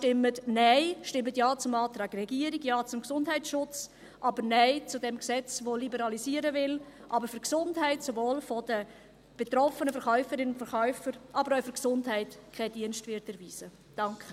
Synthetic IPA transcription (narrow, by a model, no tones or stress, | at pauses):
tɪmətnæɪʃtɪmətjaːt͡sʊmɑːtɾɑːɡ̥rɛɡiəɾiɡjɑːt͡sʊmksʊndɦɛɪtʃʊt͡s | ʔɑbəɾnɛɪt͡sʊdɛmksɛt͡svolibɛɾɑlisiːəɾəvɪlʔɑbəɾfʏɾksʊndɦɛɪtsovoːlfɔd̥ə | b̥etɾɔfənəfɛɾχœʏfəɾɪnʊntfəɾχœʏfəɾʔɑbəɾaʊfʏɾksʊndɦɛɪtkʰɛdiənstvɪɾtɛɾviːsə | d̥ɑŋkχə